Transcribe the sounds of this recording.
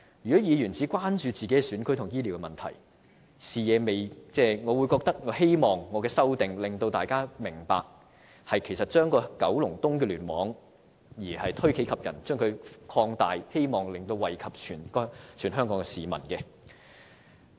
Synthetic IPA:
jyː˨˩kɔː˨˥jiː˨˧jyː˨˩nt͡siː˨˥kʷwaː˥nt͡ʃyː˨˧t͡siː˨ke˨˥jɛ˧syː˨˥nkʰɵ˥jt̪ʰʊ˨˩ŋjiː˥li˨wkɛ˧mɐ˨nt̪ʰɐ̰˨˩j | siː˨jɛː˨˧me˨jt͡sɛː˥˩ŋɔː˨˧wuː˨˧jkɔː˧k̚t̪ɐ˥k̚ŋɔː˨˧he˥jmɔː˨˩ŋːɔː˨˧kɛː˧sɐ˥wt̪ɪ˨ŋlɪ˨˩ŋt̪o˧wt̪aː˨jkaː˥mɪ˨˩ŋpa̰ː˧k̚ | hɐ˨jkʰe˨˩jsɐ˨t̚t͡ʃœː˥ŋkɔː˧kɐ̰˨˥wlʊ˨˩ŋt̪ʊ˥ŋk̬ɛː˧lyː˨˩nmɔː˨˥ŋ | jiː˨˩hɐ˨jt̪ʰɵ˥ɥkʰe˨˥kʰɐ˨p̚jɐ̰˨˩nt͡ʃœː˥ŋkʰɵ˨˧ɥkʰɔː˧ŋt̪a̰ː˨jhe˥jmɔː˨˩ŋlɪ˨ŋt̪o˧wɐ˨˩jkʰɐ˨p̚t͡ʃʰyː˨˩n˥t͡ʃʰyː˨˩nɦœː˥ŋkɔː˨˥ŋɛ˧siː˨mɐ˨˩nkɛ˧

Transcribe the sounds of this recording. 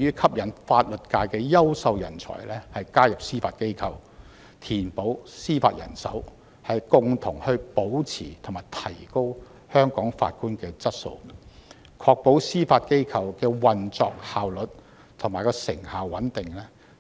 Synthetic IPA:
yː˥kʰɐ˥p̚jɐ˨˩nfaː˧t̚lɵ˨t̚kaː˧jkɛː˧jɐ˥wsɐ˧wjɐ̰˨˩nt͡sʰɔ̰ː˨˩jlɛː˥hɐ˨jkaː˥jɐ˨p̚siː˥faː˧t̚ke˥jkʰɐ˨˧w | t̪ʰiː˨˩npo˨˥wsiː˥fa̰ː˧t̚jɐ̰˨˩nsɐ˨˥w | hɐ˨jkʊ˨ŋt̪ʰʊ˨˩ŋhɵ˧ɥpo˨˥wt͡sʰḭː˨˩t̪ʰʊ˨˩ŋmaː˨˩jt̪ʰɐ˨˩jko˥w | hœː˥ŋkɔː˨˥ŋfa̰ː˧t̚kuː˥nkɛː˧t͡sɐ˥t̚so̰˧w | kʰɔː˧k̚po˨˥wsiː˥faː˧t̚ke˥jkʰɐ˨˧wkɛː˧wɐ˨nt͡sɔ̰ː˧k̚haː˨wlɵ˨t̚ | t̪ʰʊ˨˩ŋmaː˨˩jkɔː˧sɪ̰˨˩ŋhaː˨wːɐ˨˥nt̪ɪ˨ŋlɛ˥

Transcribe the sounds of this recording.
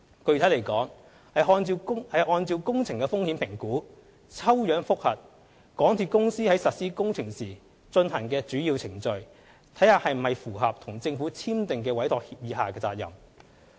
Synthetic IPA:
kɵ˧ɥt̪ʰle˨˩jkɔː˨˥ŋ | hɐ˨˩jɦɔː˧nt͡si˧wʊ˥hɐ˨˧jʔɔː˧nt͡siː˧wkʊ˥ŋt͡sʰɪ˨˩ŋkɛ˧fʊ˥ŋhi˨˥npʰɪ˨˩ŋkuː˨˥ | t͡sʰɐ˥wjœː˨˥ŋfʊ˥k̚hɐ˨t̚ | kɔː˨˥ŋt̪ʰi˨˧t̚kʊ˥ŋsiː˥hɐ˨˥jsɐ˨t̚siː˥kʊ˥ŋt͡sʰɪ˨˩ŋsiː˨˩ | t͡ʃɵ˧nha˨˩nkɛː˧t͡ʃyː˨˥ji˧wt͡sʰɪ˨˩ŋt͡ʃɵ˨ɥ | t̪ʰjhaː˧hɐ˨jm̩˨˩hɐ˨jfuː˨˩ɦɐ˨p̚t̪ʰʊ˨˩ŋt͡sɪ˧ŋfu˨˥t͡sʰiː˥mt̪ɪ˨ŋkɛː˧wɐ˨˥jt̪ʰɔː˨k̚hiː˧p̚jiː˨˧ɦaː˨kɛː˧t͡saː˧k̚jɐ̰˨˩m

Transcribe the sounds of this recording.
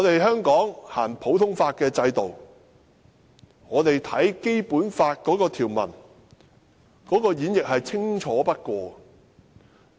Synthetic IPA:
ŋɔː˨˧t̪e˨jɦœː˥ŋkɔː˨˥ŋhaː˨˩npʰo˨˥wt̪ʰʊ˥ŋfaː˧t̚kɛː˧t͡sɐ˧jt̪o˨w | ŋɔː˨˧t̪e˨jt̪ʰɐ˨˥jke˥jpuː˨˥nfaː˧t̚kɔː˨˥kɔː˧t̪ʰiː˨˩wmɐ̰˨˩n | kɔː˨˥kɔː˧jiː˨˥njɪ˨k̚hɐ˨jt͡sʰɪ˥ŋt͡ʃʰɔː˨˥pɐ˥t̚kʷɔː˧

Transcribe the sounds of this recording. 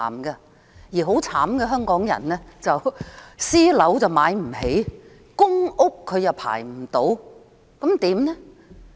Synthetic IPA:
mɡɐ˧ | jiː˨˩ɦo˨˥wt͡sʰaː˨˥mɡɛː˧ɦœː˥ŋkɔː˨˥ŋjɐ̰˨˩nlɛː˥t͡sɐ˨wsiː˥lɐ˨˥wt͡sɐ˨wmaː˨˧jm̩˨˩he˨˥j | kʊ˥ŋʊ˥kʰːɵ˨˧ɥjɐ˨wpʰa̰ː˨˩jm̩˨˩t̪o˨˥w | kɐ˨˥mt̪iː˨˥mnɛ˥

